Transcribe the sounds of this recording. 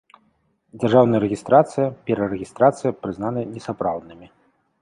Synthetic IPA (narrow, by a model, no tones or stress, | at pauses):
d͡zʲarʐawnɐjɐɾɛɣʲist̪ɾat̪sɨjɐpʲɛɾɐɾɛɣʲist̪ɾat̪sɨjɐpɾɨznanɐnʲɛsapɾawd̪̚nɨmʲi